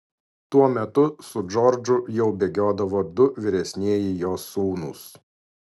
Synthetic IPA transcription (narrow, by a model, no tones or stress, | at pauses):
t̪uɔmʲɛt̪ʊsʊd͡ʒɔɾd͡ʒʊjɛʊbʲeːɡʲoːd̪ɐʋoːd̪ʊʋʲɪɾʲɛsʲnʲiɛjɪjoːsːuːnʊ̰s